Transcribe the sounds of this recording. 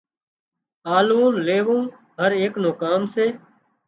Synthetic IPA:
aːluːnleːʋõː | ɦəɾeːknoːkaːmseː

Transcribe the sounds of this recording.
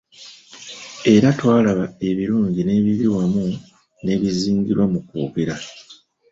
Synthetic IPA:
e̞ɾatwaːlaβae̞βiɾuːɲɟine̞ːβiβiwamu | ne̞ːβiziːɲɟiɾwamukṵːɡe̞ɾa

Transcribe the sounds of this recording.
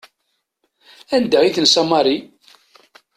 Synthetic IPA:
ænd̪əʁiθənsɑmɑɾˤi

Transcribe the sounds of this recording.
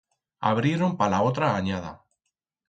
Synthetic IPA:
a̰β̞ɾjeɾo̞mpalaot̪ɾaːɲað̞a̰

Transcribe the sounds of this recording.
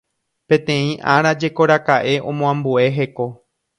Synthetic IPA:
pẽ̞t̪ẽ̞ĩʔaɾ̃ad͡ʒe̞ko̞ɾakaʔe̞ʔõ̞mõãmbue̞ɦe̞ko̞

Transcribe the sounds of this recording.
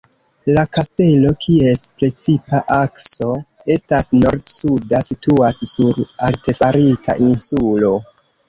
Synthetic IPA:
lakaste̞lo̞kʰie̞spɾe̞t͡sipaʔakso̞e̞stasno̞ɾtsudasituassuɾalte̞faɾitʰa̰ʔinsulo̞

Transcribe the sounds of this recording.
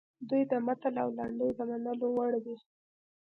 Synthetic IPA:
d̪ujd̪əmat̪alawlaɳɖəjd̪əmanəlowaɽwi

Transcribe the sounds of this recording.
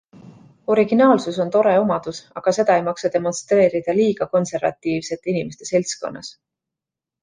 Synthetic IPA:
o̞ɾiɡ̥inɑːlsuso̞nt̪o̞ɾe̞o̞mɑd̪̥usɑɡ̥ɑse̞d̪̥ɑejmɑksɑd̪̥e̞mo̞nst̪ɾe̞ːɾid̪̥ɑliːɡ̥ɑko̞nse̞ɾvɑ̰t̪ːiːvse̞t̪ːˑinime̞st̪e̞̥se̞lʲsko̞̰nːɑ̰s

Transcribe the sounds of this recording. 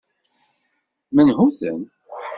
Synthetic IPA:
mənɦuθə̰n

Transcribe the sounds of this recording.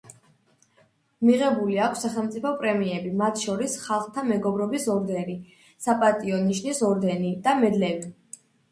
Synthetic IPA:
miʁɛbuliakʷʰsːaχɛlˠmt̪sʼipʰɔpʼɾɛmiɛbimat̪ʰʃɔɾisχalˠχt̪ʰamɛɡɔbɾɔbisɔɾd̪ɛɾi | sapʼat̪ʼiɔniʃnisɔɾd̪ɛnid̪̥amɛd̪lɛvi

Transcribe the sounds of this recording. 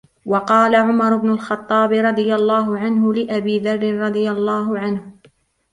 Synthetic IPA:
wɑqɑːlaʕʊmɑɾˤʊbnʊlxɑt̪ˤːɑːbɪɾˤɑd̪ˤɨjalˤːɑːɦʊʕanɦʊlɪʔabiːðɑrˤːɪnɾˤɑd̪ˤɨjalˤːɑːɦʊʕanh

